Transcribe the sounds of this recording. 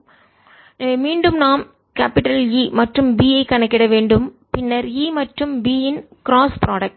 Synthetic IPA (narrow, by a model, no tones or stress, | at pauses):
miːɳɖɯmnaːm | kaːpɪʈɐliːmɐʈrɯmbiːjɐɪkːɐɳɛkːɪɽɐʋeːɳɖɯm | pɪnːɐɾiːmɐʈrɯmbiːjɪn | kɪɾaːspɾaːɽɐk̚ʈ